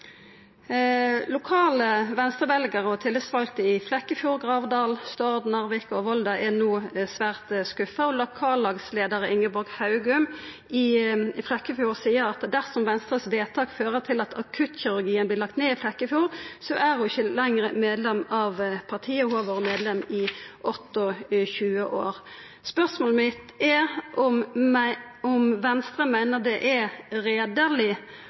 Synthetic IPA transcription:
lʊkʰɑːləʋɛnst̪ʁəbɛlɡəʁɔt̪ʰɪlːəsʋɑlt̪əɪflɛkːəfjuːʁɡʁɑːʋd̪ɑːlst̪ɔʁd̪nɑʁʋɪkɔʋɔld̪ɑʔɛnoːsʋæːʁt̪skʉfəɔlʊkʰɑːlːɑːɡsleːd̪əʁəɪŋːəbɔɾɡhɑʉɡʉm | ɪflɛkːəfjuːʁsiːəɾɑt̪d̪æʁsɔmʋɛnst̪ʁəsʋeːt̪ʰɑːkføːʁət̪ʰɪlɑt̪ʰɑkʰʉt̪çɪɾʉɾɡiːənblɪʁlɑk̚t̪neːɪflɛkːəfjuːʁsɔʔæɾhʊɪçəlɛŋɾəmeːd̪lɛmɑʋpʰɑʁt̪ʰiːəhuːɑʋoːʁmeːd̪lɛmːɪʔɔt̪ːɔçʉːəʔo̰ːɾ | spœʁsmoːləmɪt̪ɛʔɔm | ɔmʋɛnst̪ɾəmæɪnəʁd̪ɛʔɛɾeːd̪əʁlɪ

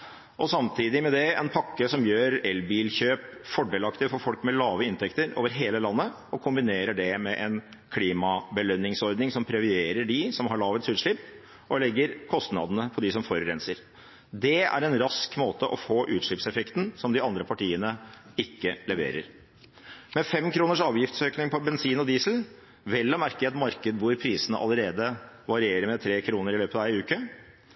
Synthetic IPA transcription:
ʔɔsɑmt̪ʰiːd̪ɪmɛd̪ɛɛnpʰɑkːəsɔmjøːɾɛlbiːlçøːpfɔɖeːlɑkt̪əfɔɾfɔlkmɛlɑːʋəɪnt̪ʰɛkt̪əɾo̰ːʋəɾɦeːləlɑnːə | ɔkʰʊmbɪneːɾəɖɛmɛʔɛn | kʰliːmɑbəlœnɪŋsɔɾd̪nɪŋsɔmpʰɾɛʋɪeːɾəɖɪsɔmɦɑɭɑːʋət̪sʉːt̪ʂɭɪpː | ʔɔlɛɡːəɾkʰɔst̪nɑ̰d̪ənəpʰɔd̪ɪsɔmfɔɾɾɛnsəɾ | d̪ɛæ̰ɾɛnɾɑskmoːt̪əʔɔfoːʔʉːt̪ʂɭɪpsɛfɛkt̪nsɔmd̪ɪɑnd̪ɾəpʰɑʈiːənəɪkːəlɛʋḛːɾə̰ɾ | mɛfɛmkʰɾuːnəʂɑːʋjɪft̪søːknɪŋpʰɔbɛnsiːnɔd̪iːsl̩ | ʋɛlːɔmæɾkəet̪mɑɾkəd̪ʋʊɾpʰɾiːsənə̰ʔɑ̰lːəɾeːd̪əʋɑɾɪeːɾəɾmɛt̪ʰɾeːkʰɾuːnəɾɪløːpət̪ɑʋæɪʉːkə

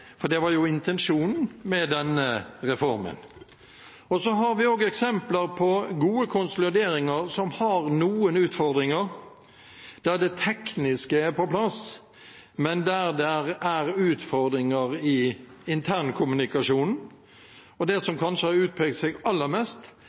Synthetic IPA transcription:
fɔɾd̪ɛʋɑɾjʊɪnt̪ʰɛnʂuːnn̩mɛd̪ɛnːəɾɛfɔɾmə̰n | ɔsɔɦɑɾʋɪoːɡɛksɛmpləɾpʰɔɡuːəkʰʊnsɔlɪd̪eːɾɪŋəɾsɔmhɑɾnuːənʉːt̪fɔɾd̪ɾɪŋəɾ | d̪̥æɾd̪ɛt̪ʰɛknɪskəæɾpɔpʰlɑs | mɛnd̪æɾd̪ɛɾæɾʉːt̪fɔɾd̪ɾɪŋəɾɪɪnt̪ʰæːɾnkʰʊmʉnɪkɑʂuːnn̩ | ɔd̪ɛsɔmkʰɑnʂəɑʉːt̪̚pʰɛːɡ̚t̪sɛɡɑlːəɾmɛst̪

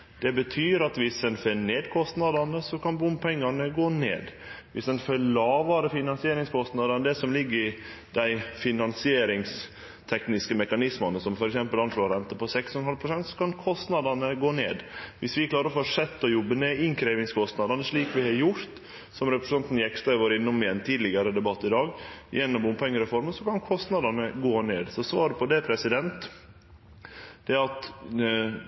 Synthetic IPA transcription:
d̪̥ɛbət̪ʰyːɾɑt̪ʋɪsd̪ɛnfœneːd̪kʰɔst̪nɑd̪ɑnəsɔkʰɑnbʊmpʰɛŋːɑnəɡoːnḛːd̪ʋɪsɛnfœɭɑːʋɑːɾəfɪnɑnsɪeːɾɪŋskʰɔst̪nɑd̪ɑnəd̪ɛsɔmlɪɡːəɾɪ | d̪̥æɪfɪnɑnsɪeːɾɪŋs | t̪ʰɛknɪskəmɛkɑnɪsmɑnəsɔmfɔɾɛksɛmpəlɑnʂoːɾɛnt̪əpʰɔsɛksɔnhɑlpʰɾʊsɛnt̪sɔ̥kʰɑnkʰɔst̪nɑd̪ɑnəɡoːnḛːd̪ʋɪsʋɪkʰlɑːɾəɾɔfoʂɛt̪ːɔjɔbːəneʔɪŋkʰɾeːʋɪŋskʰɔst̪nɑd̪ɑnəʂɭiːkʋɪhɑɾjʊɾt̪ | sɔmɾɛpɾɛsɑnt̪n̩jɛkst̪ɑɪʋoːɾɪnːɔmɪɛnt̪ʰiːd̪lɪɡɑɾəd̪ɛbɑt̪ːɪd̪ɑːɡjɛnːɔmbʊmpʰɛŋːəɾɛfɔɾməsɔkɑnkʰɔst̪nɑd̪ɑnəɡoːneːd̪sɔsʋɑːɾəpʰɔd̪ɛpʰɾɛsɪd̪ɛnt̪ | d̪̥ɛɑt̪

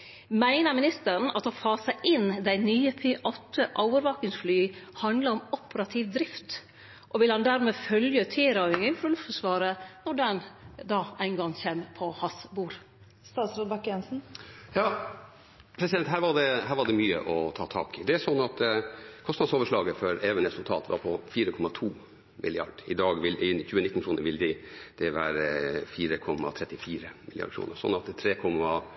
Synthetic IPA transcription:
mæɪnəmɪnɪst̪əɾəɳ̩ɑt̪ɔfɑːsəʔɪnd̪æɪnyːəpʰeːʔɔt̪ʰːəʔoʊʋəɾʋɑkɪŋsflyːhɑnd̪ləɾɔmɔpəɾɑt̪ʰiːʋd̪ɾɪft̪ | ʔɔʋɪlhɑnd̪æɾmɛfœljət̪ʰɪːɾɑʏŋəŋfɾɑlʉft̪fəʂʋɑːɾənɔɖɛnd̪ɑːæɪnɡɑŋːçeːmpʰɔhɑsbuːɾ | st̪ɑːt̪sɾoːd̪bɑkjɛnsn̩jɑː | pʰɾɛsɪd̪ɛnt̪hæːɾʋɑɖɛhæːɾʋɑɖ̪ɛmyːə̰ʔɔt̪ʰɑːt̪ʰɑ̰ːkɪd̪ɛæsɔnːɑt̪kʰɔst̪nɑd̪soːʋəʂɭɑːɡəfɔɾɛːʋənɾɛsʉlt̪ʰɑ̰ːt̪ʋɑ̰ɾpʰɔfiːɾəkʰɔmːɑt̪ʰuː | mɪ̰lɪɑ̰ɖɪd̪ɑːɡʋɪlɛɪnːəçʉːənɪt̪nkʰɾuːnəɾʋɪld̪ɪd̪̥ɛʋæːɾfiːɾəkʰɔmːɑ̰t̪ʰɾɛt̪ːɪfiːɾəmɪlɪjɑ̰ɖəkʰɾṵːnəɾsɔ̰nːɑt̪̚d̪ɛt̪ʰɾeːkʰɔmɑ

